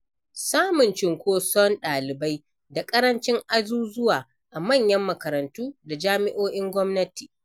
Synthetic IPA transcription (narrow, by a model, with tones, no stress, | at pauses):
saː˦mʊ˨nt͡ʃɪ˨ŋkʷoː˦sɔ˦nɗaː˨lɪ˨ba˦j | da˨kʼɐ˦ɾɐ˦nt͡ʃɪ˦ŋʔa˦zuː˦zʊ˦waː˨ | ʔa˨mɐ˦˨ɲjɐ˦mːɐ˨kɐ˨ɾɐ˨ntuː˦da˨d͡ʒaː˦mɪ˦ʔoː˦ʔɪ˦ŋɡʷɔ˦mnɐ˦tiː˨